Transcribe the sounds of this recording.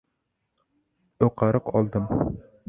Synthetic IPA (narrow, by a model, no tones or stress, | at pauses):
oqɑɾəqɒlˠd̪ɨm